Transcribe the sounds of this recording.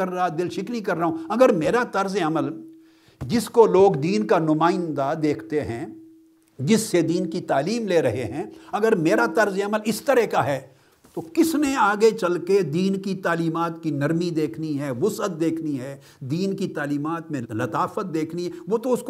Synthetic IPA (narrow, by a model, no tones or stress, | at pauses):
ɐɾːɐɦad̪ɪlʃɪknikɐɾːɐɦõɐɡəɾmeːɾat̪ɐɾzeɐməl | d͡ʒɪskoloːɡd̪iːnkanʊmaːɪnd̪ad̪eːkʰt̪eɦɛ̰̃ | d͡ʒɪsːed̪iːnkit̪aːliːmleːɾɐɦeɦɛ̃ɐɡəɾmeːɾat̪ɐɾzeɐməlɪst̪ɐɾɛkaɦɛː | t̪okɪsnẽaːɡet͡ʃɐlked̪iːnkit̪aːliːmaːt̪kinɐɾmid̪eːkʰniɦɛːʋʊsət̪̚d̪eːkʰniɦɛː | d̪iːnkit̪aːliːmaːt̪mẽlɐt̪aːfət̪̚d̪eːkʰniɦɛʋoːt̪oʊsk